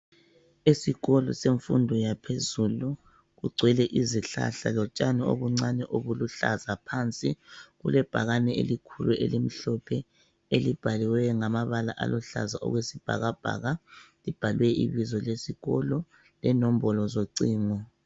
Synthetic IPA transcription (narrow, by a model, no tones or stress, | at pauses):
esiɣɔlɔ̰seɱfṵndʱɔjapʰezulu | ɣuɡ͡ǀʱwɛlɛʔiziɬa̰ɬa̰lɔt͡ʃʼanɛo̰ɣuŋ͡ǀanɛʔoɣuluɬa̰zapʰant͡sʼiɣulɛb̥ʱaɣanɛḛlikʰuluʔḛlim̩ɬɔpʰɛ | elib̥ʱaliwɛŋamaβalaʔa̰lɔɬa̰zaʔɔ̰ɣwesib̥ʱa̰ɣab̥ʱa̰ːɣalib̥ʱalwɛʔḭβizɔlesiɣɔ̰lɔ | lɛnom̩bɔlɔzoǀiːŋɔ